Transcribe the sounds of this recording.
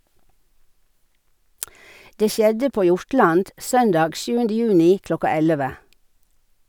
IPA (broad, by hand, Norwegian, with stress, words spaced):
ˈdeː ˈʃjɛdə ˈpoː ˈjʊɹˌʈlɑnd ˈsœndɑːɡ ˈʃjʉːəndə ˈjʉːnɪ ˈklɔkɑ ˈɛləʋə